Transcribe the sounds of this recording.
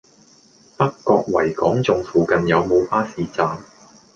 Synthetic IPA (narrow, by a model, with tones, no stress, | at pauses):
pɐ˥kːɔː˧k̚wɐ̰˨˩jkɔː˨˥ŋt͡sʊ˧ŋfuː˨˧kɐ˨˧njɐ˨˧wmo˨˧wpaː˥siː˨˧t͡saː˧ŋ